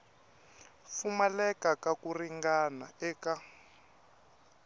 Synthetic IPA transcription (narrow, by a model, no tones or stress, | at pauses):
fumalɛkakakuriŋɡanaɛːka